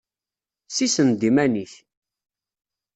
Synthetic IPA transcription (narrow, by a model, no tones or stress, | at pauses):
sisənd̪imæniç